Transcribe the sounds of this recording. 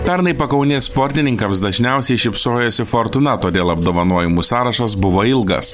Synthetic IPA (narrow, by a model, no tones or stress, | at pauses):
pʲɛɾnɐɪpɐkɐʊnʲeːsspoːɾʲt̪ʲɪnʲɪŋkɐmsd̪ɐʒʲnʲɛʊsʲɛɪʃʲɪpsoːjoːsʲɪfɔɾt̪ʊnɐt̪oːd̪ʲeːlˠɐb̚d̪oːʋɐnoɔjɪmuːsɑːɾɐʃɐs̬bʊʋoːɪlˠɡɐ̰s